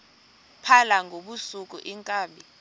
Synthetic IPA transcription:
pʰalaŋɡʱoɓusuk̬ʼṵʔiŋkʼaːɓi

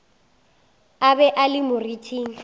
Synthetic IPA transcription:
abɛʔalɪmʊritʰiːŋ̩

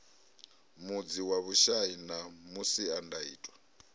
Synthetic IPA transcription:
mud͡ziwaβuʃainamusiandaḭːtʼwa

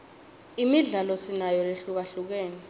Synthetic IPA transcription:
imiɮalɔsinajɔleɬuk̬aɬuk̬eːni

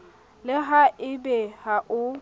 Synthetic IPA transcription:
lɪɦaʔɪbɛhaʔʊ

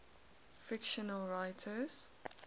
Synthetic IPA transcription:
fɪkʃənəlɹaɪtʰəz̥

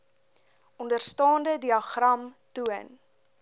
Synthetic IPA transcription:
ɔndərstɑːndədiɐχrɐmtuən

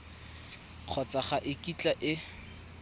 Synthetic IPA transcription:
q͡χʰɔt͡sʼaχaʔɪkʼit͡ɬʼaʔɪ

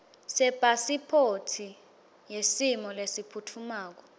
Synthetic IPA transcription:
sɛpasipʰotʰi | jesimɔlesipʰutʰumaːk̬ɔ

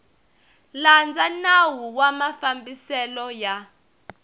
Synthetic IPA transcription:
land͡zanawuwamafambisɛlɔja

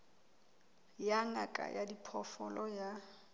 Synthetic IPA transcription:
jaŋakʼa̰jʔadipʰɔfɔlɔja

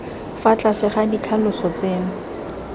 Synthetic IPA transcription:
fat͡ɬʼasɪχadikʰalʊsɔt͡seːŋ̩

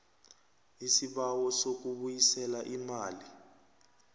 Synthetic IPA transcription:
isiɓawɔsok̬uɓujisɛlaʔimaːli

